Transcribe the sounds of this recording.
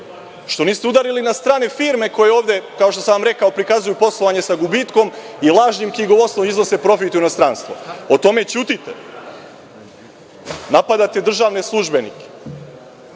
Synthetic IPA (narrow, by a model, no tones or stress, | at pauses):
ʃt̪o̞niːst̪eud̪aɾilinast̪ɾaːnefiːɾme̞ko̞jeo̞ːʋd̪e̞kaoʃt̪osaamɾekaopɾikazujupo̞slˠoʋaɲe̞saɡubit̪ko̞milˠaːʒɲimkiɡomo̞snomizno̞se̞pɾo̞fit̪jinost̪ɾaːnst̪ʋo̞ot̪o̞me̞t͡ɕuːt̪it̪ḛ | napad̪at̪e̞d̪r̩ʒaːʋneslˠuʒbe̞nḭke̥